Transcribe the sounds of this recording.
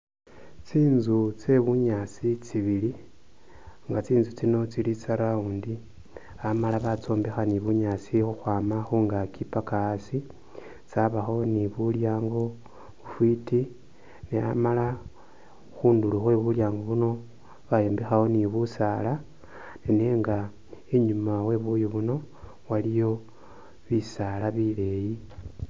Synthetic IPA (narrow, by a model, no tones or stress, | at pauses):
t͡siːnzut͡se̞βuɲat͡sit͡siβili | ŋɡat͡siːnzut͡sino̞t͡silit͡saɾauːndi | amalaβat͡so̞ːmbexaniβuɲat͡sixuxwaːmaxuːŋɡakipakaːsi | t͡saβaxo̞niβuljaːŋɡo̞ | βufwiti | nea̰mala | xuːnduluxwe̞βuljaːŋɡo̞βuno̞ | βajeːmbexawo̞niβusala | nene̞ŋɡa | eɲumawe̞βujuβuno̞ | walijo̞ | βisalaβile̞ji